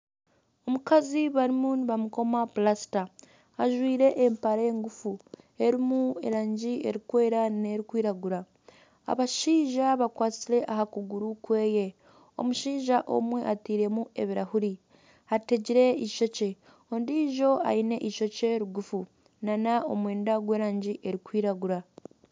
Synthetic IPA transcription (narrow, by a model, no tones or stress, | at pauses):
o̞mukaziβaɾimuniβamuko̞maplasi̥taː | ʒwiːɾe̞ʔːmpaɾeŋɡufue̞ɾimue̞̰ɾaːɲɟie̞̰ɾikwe̞ːɾane̞ɾikwiːɾaɡuɾa | a̰βaʃiːʒaβakwaːt͡siɾe̞ʔaɦakuɡuɾukwe̞ːje̞ | o̞̰muʃiːʒaʔo̞̰mwe̞ʔatiːɾe̞mue̞̰βiɾahuɾi | hate̞ɟiɾe̞iʃo̞ce̞ | ondiʒo̞a̰ine̞̰ʔiʃo̞ceɾuɡufu | nanao̞̰mwe̞ːndaɡwe̞ːɾaːɲɟiʔe̞ɾikwiːɾaɡuɾa